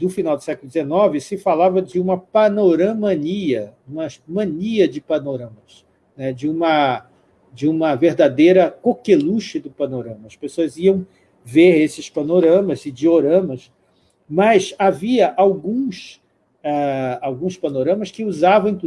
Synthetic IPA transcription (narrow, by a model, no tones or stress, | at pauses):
d̪ʊfinawd̪ʊsɛkʊlʊd͡ʒ̪ɪzenɔvɪsɪfalavɐd͡ʒɪũmɐpɐnoɾɐ̃mɐ̃niɐũmɐsmɐ̃niɐd͡ʒɪpɐnoɾɐ̃mɐs | nɛd͡ʒɪũmɐ | d͡ʒɪũmɐveɾd̪ad̪ejɾɐkokeluʃɪd̪ʊpɐnoɾɐ̃mɐɐspesoɐziɐ̃w̃ | veɾesɪspɐnoɾɐ̃mɐzɪd͡ʒɪoɾɐ̃mɐs | mɐsaviɐʔawɡũs | ɛawɡũspɐnoɾɐ̃mɐskɪuzavɐ̃w̃ĩt̪